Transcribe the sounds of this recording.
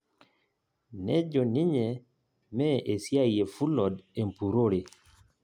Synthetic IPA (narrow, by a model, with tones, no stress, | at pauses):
nɛ˦d͡ʒɔ˨nɪ˦ɲe˨ | mɛ˦ʔe˨sja˦˨je˨fu˦lɔ˨de˨mpu˨ɾo˦ɾe˨